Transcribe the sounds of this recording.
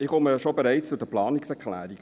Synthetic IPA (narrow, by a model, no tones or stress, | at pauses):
ɪχoməʃobeɾæɪt͡st͡sud̥əplɑːniksɛɾkχlæ̰ːɾiɡ